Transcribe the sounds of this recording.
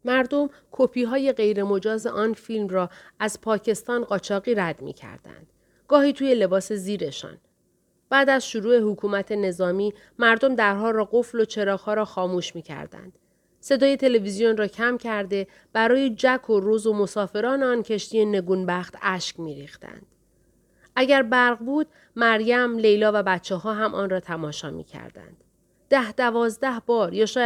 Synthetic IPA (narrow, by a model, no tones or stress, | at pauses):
mæɾd̪o̞m | kʰopʰiːɦɒːje̞ɣe̞jɾe̞mo̞d͡ʒɒːze̞̰ʔɒːnfilmrɒːæzpʰɒːcʰe̞st̪ɒːnɢɒːt͡ʃʰɒːɣiːɾæd̪mḭcʰæ̰ɾd̪̥æ̰nd̪̥ | ɡ̥ɒːhiːt̪ʰuːje̞le̞bɒːse̞ziːɾe̞ʃɒ̰ːn | b̥æːd̪æzʃoɾuːe̞hukʰuːmæt̪ʰe̞ne̞zɒːmiː | mæɾd̪o̞md̪æɾɦɒːɾɒːɢo̞flo̞t͡ʃʰe̞ɾɒːxhɒːɾɒːxɒːmuːʃmiːcʰæ̰ɾd̪æ̰nd̪̥ | se̞d̪ɒːje̞t̪ʰe̞le̞vizijonrɒːcʰæmcʰæɾd̪e̞ | b̥æɾɒːjed͡ʒækʰoɾozomo̞sɒːfe̞ɾɒːneɒːncʰe̞ʃt̪ijene̞ɡuːnbæxt̪ʰæʃcmiːɾiːxt̪æ̰nd̪̥ | ʔæɟæɾbæɾɣbuːd̪̥ | mæɾjæmle̞jlɒːvæbæt̪t͡ʃʰːeɦɒːɦæmʔɒːnrɒːt̪ʰæmɒːʃɒːmḭːcʰæ̰ɾd̪æ̰nd̪̥ | d̪̥æhd̪ævɒːzd̪æhbɒːɾjɒːʃɒː